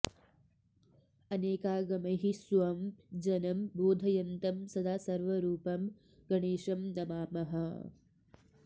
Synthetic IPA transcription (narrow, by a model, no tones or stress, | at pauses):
ɐneːkaːɡɐmɐɦisʋɐmd͡ʒɐnɐmboːd̪ʱɐjɐnt̪ɐmsɐd̪ʱaːsɐɾʋɐɾuːpɐm | ɡɐɳeːʃɐmnɐmaːmɐɦɐ